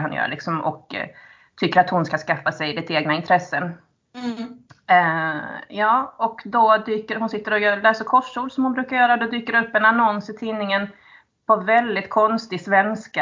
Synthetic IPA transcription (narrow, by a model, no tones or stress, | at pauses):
hanjœ̰ːɭɪ̰ksɔmɔ̰k | t̪ʰʏkːəɾat̪hʊnskaskafːasɛjd̪ɪt̪eːɡnaɪnt̪ʰɾɛsːən | jɑːɔkd̪ɔd̪yːkəɾhʊnsɪt̪ːəɾɔjœːlɛːsəɾkʰɔʂːuːlsɔmhʊnbɾʉ̟ːkaɾjœːɾad̪ɔd̪yːkəɾɵpːɛnanɔnsɪt̪ʰiːnːɪŋən | pʰɔvɛld̪ɪt̪kʰɔnst̪ɪsvɛnska